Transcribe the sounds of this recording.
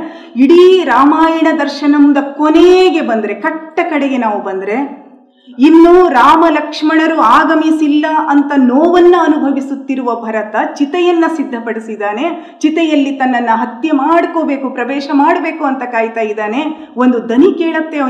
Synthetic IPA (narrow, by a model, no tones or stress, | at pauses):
iɽiɾaːmaːjɐɳɐd̪ɐɾʃɐnɐmd̪ɐkoneɡe̞bɐnd̪ɐɾe̞kɐʈːɐkɐɽeɡe̞naːʋubɐnd̪ɾe̞ | inːuːɾaːmɐlɐkʂmɐɳɐɾuaːɡɐmisilːɐʔɐnt̪ɐnoːʋɐnːuɐnubʱɐʋisut̪ːiɾuʋɐbʱɐɾɐt̪ɐt͡ʃit̪ɛjɐnːɐsid̪ʱːɐpɐɽisid̪aːne̞ | t͡ʃit̪ɛjɐlːit̪ɐnːɐnːɐɦɐt̪jɐmaːɽkoːbe̞ːkupɾɐʋɛːʃɐmaːɽɐbeːkuɐnt̪ɐkaːjt̪aːjid̪aːne̞ | o̞nd̪ud̪ɐnikeːɭɐt̪ːe